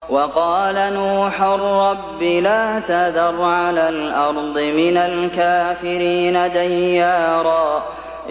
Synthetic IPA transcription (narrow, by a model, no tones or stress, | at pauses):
wɑqɑːlanuːħʊrːɑbːɪlaːt̪aðɑɾˤʕalalʔɑɾˤd̪ˤɨmɪnalkaːfɪɾiːnad̪ajːaːɾˤɑː